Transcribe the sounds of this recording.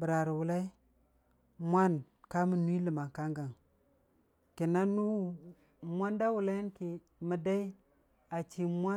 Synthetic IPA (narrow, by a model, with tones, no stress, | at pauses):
bə˨ɾa˨ɾi˨wu˨la˦i˦ | mʷ˦a˦n | ka˦mu˨nu˦i˦lə˨ma˨ka˦ŋɡa˨ŋ | ki˨na˦nu˦˨ | mʷa˦nda˦wu˨la˦ji˦nki˨ | mə˨da˦i˦ | a˨t͡ʃi˨mʷa˦